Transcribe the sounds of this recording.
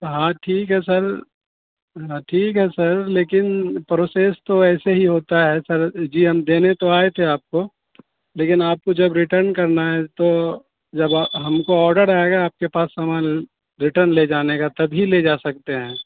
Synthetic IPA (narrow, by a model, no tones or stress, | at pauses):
ɦãːʈʰiːkɦɛsɐɾ | ɦãːʈʰiːkɦɛsɐɾleːkɪnpɾoːseːst̪oɛːseɦiɦoːt̪aɦɛsɐɾd͡ʒiːɦɐmd̪eːnet̪oaːet̪ʰeaːp̚ko | leːkɪnaːp̚kod͡ʒɐbɾɪʈəɾnkɐɾnaɦɛt̪o | d͡ʒɐbɦɐmkoɔːɾɖəɾaːeɡaaːp̚kepaːsːamaːl | ɾɪʈəɾnleːd͡ʒaːnekat̪ɐbʱiled͡ʒaːsɐk̚t̪eɦɛ̃ː